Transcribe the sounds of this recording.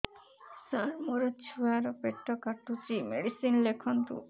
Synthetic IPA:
saɾmoɾet͡ʃʰuaɾɔpeʈːɔkaʈːut͡ʃimeɽisinlekʰɔnt̪ṵ

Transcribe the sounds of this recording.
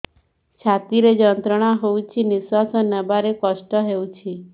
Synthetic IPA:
t͡ʃʰat̪iɾed͡ʒɔnt̪ɾɔɽ̃aɦowt͡ʃʰiniswasɔnəbaɾekɔʃʈɔɦewt͡ʃʰi

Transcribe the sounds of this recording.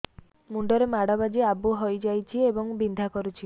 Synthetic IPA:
muɳɖɔɾemaɽɔbad͡ʒiabuɦojd͡ʒajt͡ʃʰiebɔŋbind̪ʱakɔɾut͡ʃʰi

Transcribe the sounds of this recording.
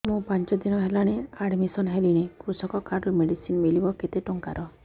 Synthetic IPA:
mũpant͡ʃɔd̪inɔɦelaɽ̃eaɽmisɔnɦeliñekɾusɔkɔkaɾɾumeɽisinmilibɔket̪eʈuŋkaɾɔ

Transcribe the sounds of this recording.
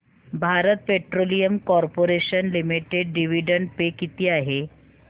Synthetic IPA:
bʱaɾət̪̚peʈɾolijəmkɔɾpoɾeɕənlimiʈeɖɖiʋiɖəɳɖ̚pekit̪iːaɦe

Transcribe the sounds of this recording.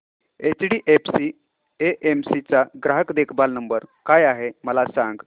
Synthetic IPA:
et͡ɕɖiːʔepʰsi | eʔemsit͡saɡɾaɦəkd̪ekʰbalnəmbəɾkajaɦeməlasãŋɡ

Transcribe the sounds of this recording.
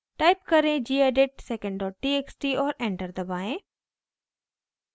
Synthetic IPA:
ʈaːɪpkɐɾẽd͡ʒiːeːɖeʈsekə̃ɳɖɖɔːʈ̚ʈieksʈiɔːɾẽːɳʈəɾd̪əbaːẽ

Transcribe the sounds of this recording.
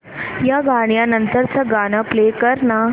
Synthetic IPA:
jaɡaɳ̃janənt̪əɾt͡səɡaɽ̃əplekəɾna

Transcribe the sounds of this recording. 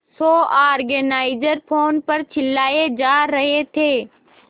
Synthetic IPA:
soːaːɾɡənaːɪd͡ʒəɾpʰoːnpɐɾt͡ʃʰɪlːaːed͡ʒaːɾɐɦet̪ʰeː

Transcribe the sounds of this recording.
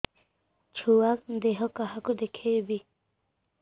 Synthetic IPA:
t͡ʃʰuwakd̪eɦɔkaɦakud̪ekʰejbi

